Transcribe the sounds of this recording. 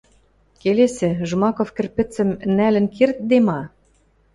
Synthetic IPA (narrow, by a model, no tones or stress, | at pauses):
kelesɘ̆ʒmɑkofkɘ̆rpɘ̆t͡sɘ̆mnælɘ̆nkirt̪̚d̪emɑ